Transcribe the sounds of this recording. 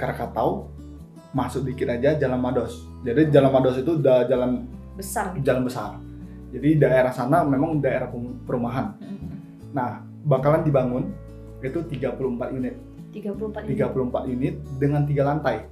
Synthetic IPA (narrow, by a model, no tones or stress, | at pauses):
kaɾkat̪aw | masʊk̚dikɪt̪ad͡ʒad͡ʒalanmadɔs | d͡ʒadid͡ʒalanmadɔsit̪udad͡ʒalan | bəsard͡ʒalanbəsar | d͡ʒadidaeɾahsanamemaŋdaeɾahppəɾumaɦan | nah | bakalandibaŋʊn | it̪ut̪iɡapuluhmpat̪̚junɪt̪̚ | iɡat̪iɡapuluhmpat̪junɪt̪̚dəŋant̪iɡalant̪aj